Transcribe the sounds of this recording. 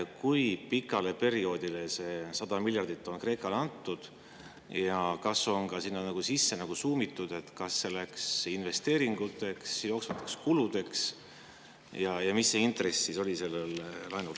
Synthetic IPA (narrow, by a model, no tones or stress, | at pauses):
kujpikːˑɑle̞pe̞ɾio̞ːd̪̥ilese̞sɑd̪̥ɑmilʲjɑrd̪̥it̪ːˑo̞nkre̞ːkːˑɑlɑnt̪ːˑud̪̥ | jɑkɑso̞nkɑsinːɑnɑɡ̥usisːe̞nɑɡ̥usuːmit̪ːˑud̪̥e̞t̪kɑsːe̞læksinve̞st̪e̞ːɾiŋɡ̥ut̪ːˑe̞ksjo̞ːksvɑt̪ːˑekskulud̪̥e̞ks | jɑjɑmisːeint̪re̞sːiso̞lʲise̞lːellɑjnul